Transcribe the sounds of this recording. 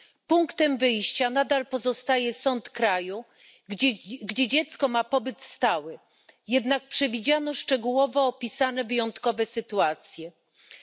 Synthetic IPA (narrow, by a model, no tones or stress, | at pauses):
puŋkt̪ɛmvɘjɕt͡ɕanad̪alpɔzɔst̪ajɛsɔnt̪kɾaju | ɡd͡ʑɛd͡ʑɛt̪skɔmapɔbɘt̪st̪awɘ | jɛd̪nak̚pʂɛvʲid͡ʑanɔʂt͡ʂɛɡuwɔvɔːpʲisanɛvɘjɔnt̪kɔvɛsɘt̪uat̪sʲjɛ